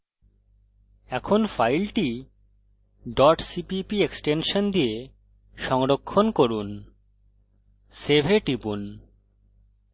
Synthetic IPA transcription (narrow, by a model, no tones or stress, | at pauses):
ɛkʰonfajlʈi | ɖɔʈsipipieksʈenʃond̪ije | ʃɔŋɾokʰːonkoɾun | sebʱeʈipun